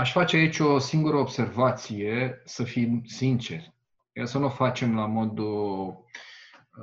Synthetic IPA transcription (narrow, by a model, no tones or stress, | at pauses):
aʃʲfat͡ʃeait͡ʃʲo̞siŋɡuɾəob̥se̞rvat̪sije̞səfimsint͡ʃe̞rʲ | jasənufat͡ʃe̞mlamo̞d̪u